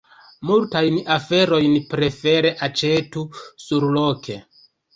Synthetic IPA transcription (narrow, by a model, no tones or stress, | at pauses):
multajnafe̞ɾo̞jnpɾe̞fe̞ɾe̞ʔat͡ʃe̞tusuɾlo̞kʰe̞